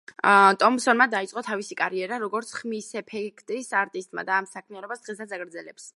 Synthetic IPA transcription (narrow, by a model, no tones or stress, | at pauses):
t̪ʼɔmsɔnmad̪ait̪sʼqʼɔt̪ʰavisikʼaɾiɛɾaɾɔɡɔɾt̪sʰχmisɛpʰɛkʰt̪ʼisaɾt̪ʼist̪ʼma̰d̪aːmsakʰmianɔbasd̪̥ʁɛsat̪saɡɾd̪zɛlɛps